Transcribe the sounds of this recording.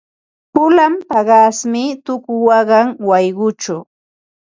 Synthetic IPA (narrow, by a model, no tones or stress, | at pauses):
pʊlampɑɢɑsmɪt̪ʊkʊwɑɢɑŋwɑjɢʊt͡ʃʊ